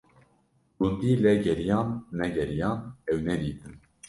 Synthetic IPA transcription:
ɡund̪iːlɛɡɛɾijɑːnːɛɡɛɾijɑːnɛwnɛd̪iːt̪ɨn

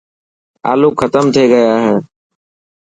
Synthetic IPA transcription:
a̰ːluːkʰət̪əmt̪ʰeːɡəjaːɦeː

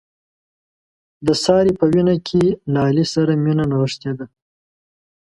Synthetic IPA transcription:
d̪əsɑːɾipəwinakʲʰelaːlisaɾaminanawəʂt̪ed̪a

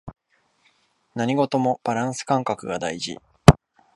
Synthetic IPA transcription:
naɲ̟iɡo̞t̪o̞mo̞b̥aɾãɰ̃sɨ̥kãŋkakɯ̟ɡad̪aiʑḭ

